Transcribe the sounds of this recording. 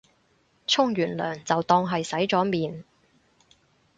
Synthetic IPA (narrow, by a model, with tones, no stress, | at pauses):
t͡sʰʊ˥ŋjyː˨˩nlœː˨˩ŋt͡sɐ˨wt̪ɔː˧ŋɦɐ˨jsɐ˨˥jt͡sɔː˨˥miː˨n